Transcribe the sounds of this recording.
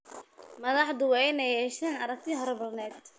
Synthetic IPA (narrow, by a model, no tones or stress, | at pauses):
mɐðɑħd̪ʊwɛjnɐjɛʃɐnɐɾɐk̚t̪ʰiɦɔɾbɐrnɛːd̪